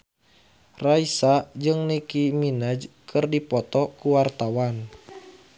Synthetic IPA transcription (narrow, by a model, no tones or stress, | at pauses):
raisad͡ʒɨŋnikiminad͡ʒkʰɨrdipɔt̪ɔkuwart̪awan